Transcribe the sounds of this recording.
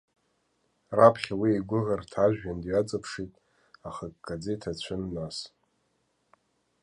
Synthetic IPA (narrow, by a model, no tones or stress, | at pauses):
rapʰχʲawiiɡʷʊʁartʰaʒᶣandɥat͡sʼapʰʂitʼ | aχakʼɡad͡zetʰat͡ɕʷʰʊnːas